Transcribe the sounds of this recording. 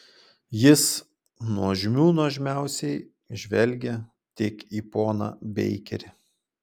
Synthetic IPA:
jɪs | nuɔʒʲɪmʲuːnoːʒʲmʲæˑʊsʲɛɪ | ʒʲʋʲɛlʲɡʲɛ | t̪ʲɪːkiːpoːnɑ̰bʲɛ̰ɪkʲɛ̰ɾʲɪ

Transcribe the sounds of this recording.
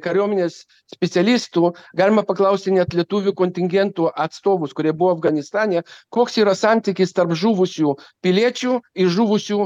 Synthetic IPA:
kɐɾʲoɔmʲɪnʲeːs | sʲpʲɛt̪sʲɛlʲist̪uːɡɑːlʲɪmɐpɐklˠɐʊsʲt̪ʲɪnʲɛt̪lʲiɛt̪uːʋʲukonʲt̪ʲɪŋʲɡʲɛnt̪uːɐt̪st̪oːʋʊskʊɾʲiɛbʊʋoɐfɡɐnʲɪst̪ɑːnʲekoːksiːɾɐsɑnʲt̪ʲiːkʲɪst̪ɐrpʒuːʋʊsʲuːpʲɪlʲiɛt͡ʃʲuːɪʒuːʋʊsʲuː

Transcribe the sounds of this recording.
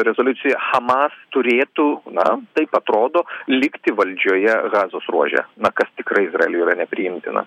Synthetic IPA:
ɾʲɛzoːlʲʊtsʲɪjɛxɐmɑst̪ʊɾʲeːt̪uːnɐ̰t̪ɐɪpɐt̪ɾoːd̪oːlʲɪkt̪ʲɪʋɐlʲd͡ʒʲoːjɛɣɑːzoːsruɔʒʲɛ̰nɐkɐst̪ʲɪkɾɐɪɪzrɐɛlʲuiːɾɐnʲɛpʲɾʲɪjɪmʲt̪ʲɪ̰nɐ̰

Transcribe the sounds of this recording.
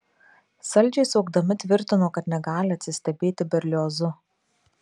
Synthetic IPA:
sɐlʲˑd͡ʒʲɛɪsoʊɡd̪ɐmʲɪt̪ʲʋʲɪɾʲt̪ʲɪnoːkɐt̪nʲɛɡɑːlʲɪɐt̪ʲsʲɪsʲt̪ʲɛbʲeːt̪ʲɪbʲɛɾʲlʲoːzʊ

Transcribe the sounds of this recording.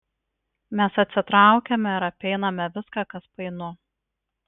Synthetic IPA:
mʲɛsɐt̪ʲsʲɪt̪ɾɑˑʊkʲɛmʲɛɪɾɐpʲɛɪnɐmʲɛʋʲɪskɑːkɐspɐɪnʊ

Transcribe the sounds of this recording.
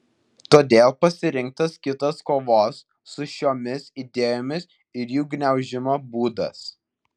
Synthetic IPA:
t̪oːd̪ʲeːlˠpɐsʲɪɾʲɪŋˑk̚t̪ɐskʲɪt̪ɐskoːʋoːsː | ʊʃʲoːmʲɪsid̪ʲeːjoːmʲɪs | ɪɾjuːɡnʲɛʊʒʲɪmoːbuːd̪ɐ̰s

